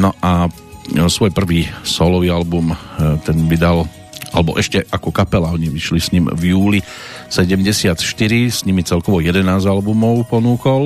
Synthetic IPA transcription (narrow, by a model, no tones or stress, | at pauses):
nɔʔa | sʋɔjpr̩ʋiːsɔlɔʋiːalbumt̪ɛnʋid̪al | alɛbɔ̰ʔɛʃcɛʔakɔkapɛlaɔɲiʋiʃlisɲimvjuːli | sɛɟɛmɟɛsɪat̪ʃt̪iɾisɲimit͡sɛlkɔʋɔjɛd̪ɛnaːzalbumɔʊpɔnuːkɔl